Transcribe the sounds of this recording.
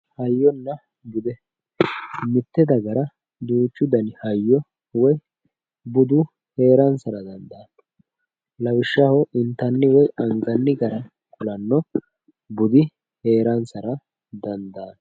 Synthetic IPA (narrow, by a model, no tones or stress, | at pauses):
hɐjːɔnːɐ | bʊd̪ɛ | mɪt̪ːɛd̪ɐɡɐɾɐ | d̪uːt͡ʃːʊd̪ɐnɪhɐjːɔ | wɔj | bʊd̪ʊ | he̞ːɾɐnsɐɾɐd̪ɐnd̪ɐːn | lɐwɪʃːɐhɔʔɪnt̪ɐnːɪwɔjɐŋɡɐnːɪɡɐɾɐ | kʊlɐnːɔ | bʊd̪ɪ | he̞ːɾɐnsɐɾɐ | d̪ɐnd̪ɐːn